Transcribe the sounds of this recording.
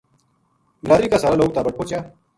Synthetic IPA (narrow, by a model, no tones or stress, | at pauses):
laːɾiːkaːsaɾaːloːɡ̚t̪aːbəʈ̚poːt͡ɕjaː